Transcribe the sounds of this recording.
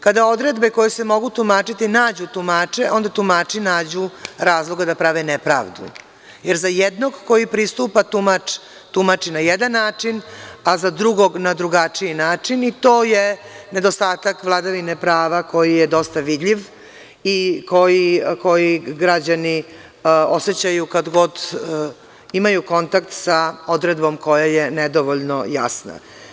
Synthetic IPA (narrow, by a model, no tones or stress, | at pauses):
kad̪ao̞d̪ɾe̞d̪beko̞jesemo̞ɡut̪umaːt͡ʂit̪inaːd͡ʑut̪umaːt͡ʂeʔõ̞nd̪at̪umaːt͡ʂinaːd͡ʑuɾaːzlˠoɡad̪apɾaʋenɛpɾa̰ːʋd̪ṵ | jeɾzajɛd̪no̞ɡko̞jipɾist̪upat̪umat͡ʃ | t̪umat͡ʂinajɛd̪anːaːt͡ʂinazad̪ɾuɡoɡnad̪ɾuɡat͡ʂijinaːt͡ʂinit̪o̞ːjene̞d̪o̞st̪aːt̪akʋlˠad̪aʋinepɾaːʋako̞jijed̪o̞st̪aʋid̪ʎʲiʋ | iko̞jiko̞jiɡɾad͡ʑani | oset͡ɕajukad̪ɡo̞d̪ | imajuko̞nt̪akt̪sao̞d̪ɾed̪bo̞mko̞jajened̪oʋoʎnoja̰sna̰